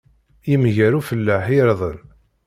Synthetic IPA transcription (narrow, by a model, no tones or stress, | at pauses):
jimʝæɾufəlːəħiɾðˤən